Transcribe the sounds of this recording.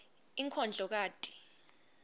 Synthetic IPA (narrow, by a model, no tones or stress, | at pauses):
iŋkʰɔnd͡ɮʱɔk̬aːtʼi̥